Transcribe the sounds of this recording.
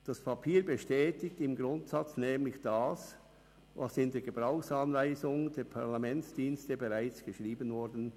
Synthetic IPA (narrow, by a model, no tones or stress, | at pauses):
d̥ɑspʰapʰiːɐbəʃtɛːtɪktɪmɡʁʊntsɑt͡snɛːmlɪçd̥aːs | vɑsɪndeːɐɡ̥əb̥ʁaʊxsɑnvaɪzʊŋd̥eːɐpʰaʁlamɛnsd̥iːnstəbeʁaɪt͡sɡ̥əʃʁiːbənvɔɾdn̩